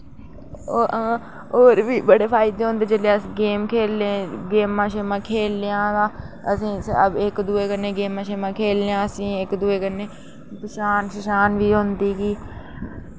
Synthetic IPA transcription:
oːɾʋiːbəɽeːpʰaːɪd̪eːɦʊ̃nd̪eːd͡ʒeːleːəsiɡeːmkʰeːlẽːɡeːmãːʃeːmãːkʰeːljãːɡaː | əsĩːəbɪkd̪ueːkəneːɡeːmãːʃeːmãːkʰeːljãːəsĩːɪkd̪ʊeːkəneː | pəʃaːnʃəʃaːnʋiːɦʊ̃nd̪iːɡiː

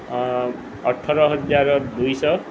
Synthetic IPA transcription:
ʌʈʰːʌɾʌɦʌd͡zaɾd̪ujsʌ

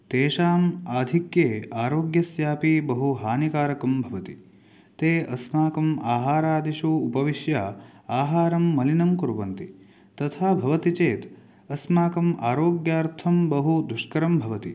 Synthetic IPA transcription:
t̪eːʃaːmaːd̪ʱikjeːaːɾoːɡjɐsjaːpibɐɦuɦaːnikaːɾɐkɐmbʱɐʋɐt̪i | t̪eːɐsmaːkɐmaːɦaːɾaːd̪iʃuːpɐʋiʃja | aːɦaːɾɐmːɐlinɐmkuɾʋɐnt̪i | t̪ɐt̪ʰaːbʱɐʋɐt̪it͡ʃeːt̪ | ɐsmaːkɐmaːɾoːɡjaːɾt̪ʰɐmbɐɦud̪uʃkɐɾɐmbʱɐʋɐt̪i

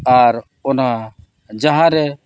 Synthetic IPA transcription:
aɾ | ɔnɦã | d͡ʒaɦãɾɛ

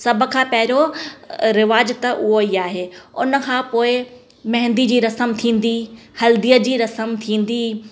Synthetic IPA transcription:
sɐb̆ʱkʰãːpɐɦɪɾo | ɾɪʋaːd͡ʑt̪ɐʔʊɦoiaːɦeːʊnə̆kʰãːpoːɪ | mɐɦɪ̃nd̪id͡ʑiːɾɐsəmt̪ʰĩːn̆d̪ihɐld̪ijəd͡ʑiːɾɐsəmt̪ʰĩːnd̪iː

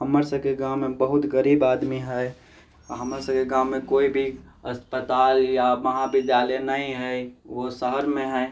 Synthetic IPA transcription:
ɦəməɾsəbkeɡãːmːẽbəɦʊt̪ɡəɾiːbaːd̪miɦɛ | ɦəməɾsəbkeɡaːmːẽkoːibʱi | ɐspət̪aːljaməɦãbɪd̪jaːlənəɦĩɦɛʋosəɦəɾmẽɦɛ

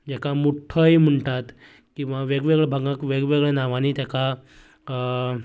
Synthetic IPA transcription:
d͡ʑakamuʈʰəjm̤əɳʈat̪ | kĩw̃ʋaʋeɡʋeɡɭɛbʱaɡakʋeɡʋeɡɭɛnaʋanit̪aka

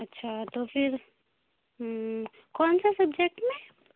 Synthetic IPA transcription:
ɐtːʃʰat̪opʰiɾ | kɔːnsasɐb̚d͡ʒek̚ʈmẽ

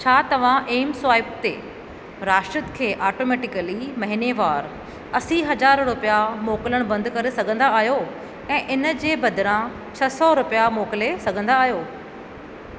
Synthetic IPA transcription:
t͡ɕʰaːt̪ɐʋ̤ãʔeːmswaːɪpt̪ḛː | ɾaːʃʈɾət̪kʰeːʔaːʈoːmeːʈɪkəlimɐɦineʋaːɾ | ɐsiɦɐd͡ʑaːɾɾʊpijamoːkɪləɽ̃bɐ̃nd̪kɐɾesɐɡʱə̃nd̪aːɦjo | ɛ̃ːʔɪnəd͡ʑeːbɐd̪ʱɪɾã | t͡ɕʰɐsɔɾʊpijamoːkɪlesɐɡʱə̃nd̪aːɦjoː

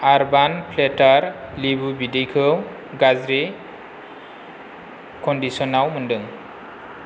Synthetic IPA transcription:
aɾbanpʰletaɾlibubidijkʰɯw | ɡazɾi | kɔndisɔnawmɯndɯŋ

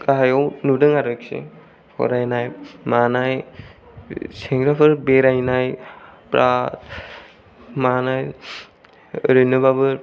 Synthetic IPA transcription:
kaɦajɔwnudɯŋaɾɯksḛ | kʰɔ̰ɾajnajmanaj | seŋɾapʰɯɾbeɾajnajpɾat̚ | manaj | ɾɯnɯbabɯ

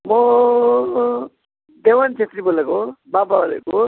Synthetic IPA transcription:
mɔ | d̪ewant͡ʃet̪ɾibolekobababʌlḛko

